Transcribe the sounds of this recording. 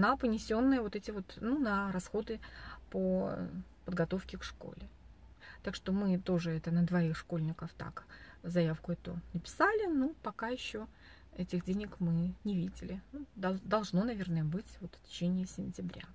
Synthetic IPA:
napənʲɪsʲonːɨjəvo̞t̪ɛtʲɪvo̞t̪nunəɾɐsxo̞d̪ɨpəo | pəd̪ɡɐt̪o̞fkʲɪkʂko̰lʲɪt̪akʂt̪o̞mɨt̪o̞ʐɨɛt̪ənəd̪vɐixʂko̞lʲnʲɪkəft̪a̰kzɐjafkʊɛt̪ʊ̰nəpʲɪ̥salʲɪnopɐkajɪɕːo̞ | ɛtʲɪxdʲenʲɪkmɨnʲɪvʲidʲɪlʲɪnud̪ɐd̪ɐlˠʐno̞nɐvʲe̞rnəjəbɨtʲvo̞t̪ftʲɪ̥t͡ɕenʲɪəsʲɪnʲtʲɪbɾʲa̰

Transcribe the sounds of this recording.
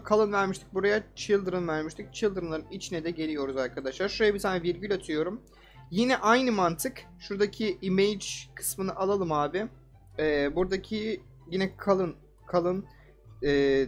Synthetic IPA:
kʰalˠɯnvæɾmiʃt̪ʰi̥k̚buɾajat͡ʃʰɯlˠd̪ɯɾɯnvæɾmiʃt̪ʰic̚t͡ʃʰilˠd̪ɯɾɯnlˠaɾɯnit͡ʃʰinɛd̪ɛɟe̞lʲijo̞ɾuzaɾkʰad̪aʃlˠaɾʃuɾajabit̪ʰaːnɛviɾɟilʲat̪ʰɯjo̞ɾum | jinɛʔajnɯmant̪ʰɯk | ʃuɾd̪acʰiimejd͡ʒkʰɯ̥smɯnɯʔalˠalˠɯmaːbɪ | ɛːbuɾd̪acʰi | jinɛkʰalˠɯn | kʰalˠɯn | ɛː

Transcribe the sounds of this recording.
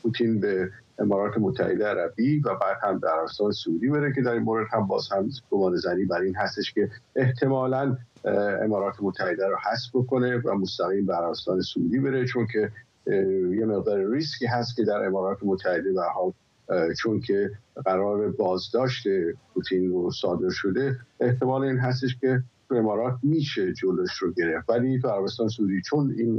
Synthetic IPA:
pʰut̪ʰinbeemɒːɾɒːt̪ʰe̞mot̪ʰːæ̰he̞̰d̪eæɾæbivæfæd̪hæmbeæɾæbe̞st̪ɒːnesouːd̪iːbe̞ɾece̞d̪æɾinmoːɾe̞d̪̥hæmbɒːz̥hæmɡ̥omɒːnezæniːbæɾiːnɦæst̪e̞ʃkʲe̞eht̪ʰe̞mɒːlæn | ḛmɒːɾɒːt̪ʰemot̪ʰːæhe̞d̪æɾɔhæsbbokʰo̞ne̞væmost̪æɣiːmbeæɾæbe̞st̪ɒːne̞soṵːd̪iːbe̞ɾe̞t͡ʃʰo̞ncʰe̞ | je̞me̞ɣd̪ɒːɾeɾiscʰiːɦæst̪̚kʰʲe̞d̪æɾe̞mɒːɾɒːt̪ʰemot̪ʰːæhe̞d̪e̞d̪æɾhɒːl | t͡ʃʰonkʰe̞ɣæɾɒːɾe̞bɒːzd̪ɒːʃt̪e̞pʰut̪ʰiːnrosɒːd̪e̞ɾʃo̞d̪e̞ʔeht̪ʰe̞mɒːleiːnɦæs̬t̪eʃkʰʲe̞t̪ʰue̞mɒːɾɒːt̪̚ʰmiːʃe̞d͡ʒoloeʃɾoɟe̞ɾe̞ft̪vælit̪ʰuæɾæbest̪ɒːnesuːd̪iːt͡ʃʰo̞niːn

